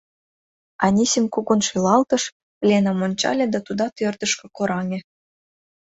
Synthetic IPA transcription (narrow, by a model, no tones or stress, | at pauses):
ɑnʲisemkuɣonʃilɑlt̪ɤ̆ʃ | plʲenɑmonʲt͡ɕɑ̰lʲĕd̪ɑt̪ud̪ɑt̪ørd̪ə̆ʃkɤ̆koɾɑŋʲĕ